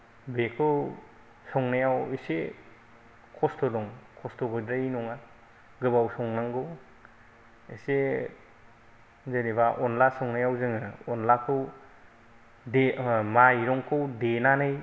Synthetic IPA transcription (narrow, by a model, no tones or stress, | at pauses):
bekʰɯw | sɔŋnajawise | kʰɔstɔdɔŋkʰɔstɔɡɯdɾajnɔŋa | ɡɯbawsɔŋnaŋɡɯ | ise | zɯnibaʔɔnlasɔŋnajawzɯŋɯɔnlakʰɯw | demajɾɔŋkʰɯwdenanɯj